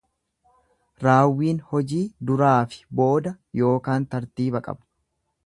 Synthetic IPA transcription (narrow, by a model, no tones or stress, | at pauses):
ɾaːwːiːnhɔd͡ʒiːd̪ʊɾaːfɪ̥bo̞ːd̪ɐ | jo̞ːkaːnt̪ɐɾt̪iːbɐkʼɐ̰bɐ̥